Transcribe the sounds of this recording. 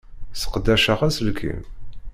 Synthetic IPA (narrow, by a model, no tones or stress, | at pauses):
sə̥qd̪ːæʃaʁæsəlkʰḭn